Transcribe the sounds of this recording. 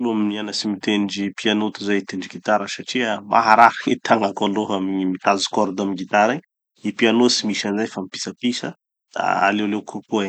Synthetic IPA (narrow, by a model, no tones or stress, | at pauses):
loamnianəsimit̪enɖ͡ʐipianot̪uzait̪eɳɖ͡ʐiɡit̪aɾəsaʈ͡ʂiəmʔa̰ɦaɾaɾket̪ʰaŋakaloɦamiimit̪azu̥kɔɾd̪amiɡit̪aɾaɲ | ipianosimisanzajfamipi̥sapisə | d̪̥a̰a̰lewlewkʰupue